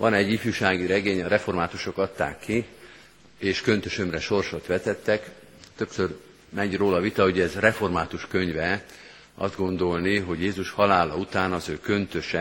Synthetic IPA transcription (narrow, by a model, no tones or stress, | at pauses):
ʋɒnɛɟːifjuːʃaːɡiɾɛɡeːɲɒɾɛfo̞rmaːt̪uʃo̞kɒt̪ːa̰ːkːi | eːʃkø̞nt̪øʃømrɛʃo̞rʃo̞t̪ʋɛt̪ɛt̪ːɛk | t̪ø̞psør | mɛɟroːlɒvit̪ɒoɟɛzrɛfo̞rmaːt̪uʃkø̞ɲvɛ | ʔɒ̰zd̪ɡo̞nd̪o̞lniɦo̞ɟjeːzuʃhɒlaːlɒut̪aːnɒzøːkønt̪øʃɛ